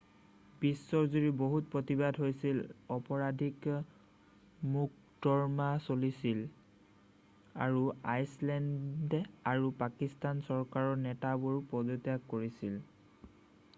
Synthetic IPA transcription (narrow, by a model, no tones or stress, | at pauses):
bisːɔɹzuɹiboɦut̚pɹotibadɦojsilɔpɔɹadʱik | muk̚ | dɔɹmasolisil | a̰ɹuajslɛndɛaɹupakistansɔɹkaɹɔɹnɛtabuɹpɔdotjakkoɹisil